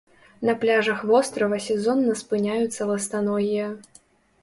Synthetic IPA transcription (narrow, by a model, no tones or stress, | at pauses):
nɐplʲaʐɐxvɔst̪ɾɐvɐsʲɛzɔnːɐspɨnʲajut̪sːɐlˠɐst̪anɔɣʲijɐ